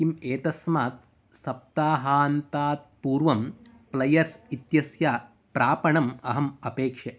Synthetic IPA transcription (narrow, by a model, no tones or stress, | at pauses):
imeːt̪ɐsmaːt̪̚ | sɐp̚t̪aːɦaːnt̪aːt̪̚puːɾʋɐm | plɐjɐɾsit̪jɐsjaː | pɾaːpɐɳɐmɐɦɐmɐpeːkʂɐ